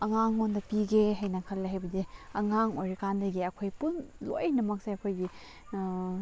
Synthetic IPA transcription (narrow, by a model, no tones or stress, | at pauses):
ɐŋaŋːondɐpiɡeɦajnɐkʰɐlːeɦajbɐdiɐŋaŋojɾikandɐɡiɐkʰojpunlo̰jnɐmɐk̚sajɐkʰojɡi